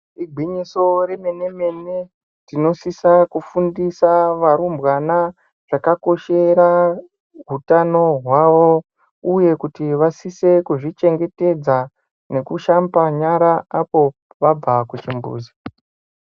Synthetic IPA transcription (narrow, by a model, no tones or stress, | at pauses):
iɡʱiɲiso̞ɾe̞me̞ne̞me̞ne̞ | tino̞sisakufundisaʋaɾumbwana | ʐ̥akako̞ʃe̞ɾa | ɦutano̞ɦwaʋo̞ | uje̞kutiʋasise̞kuʐit͡ʃe̞ŋɡe̞te̞d͡za | ne̞kuʃambaɲaɾaapo̞ | ʋab͡vakut͡ʃimbṵːzi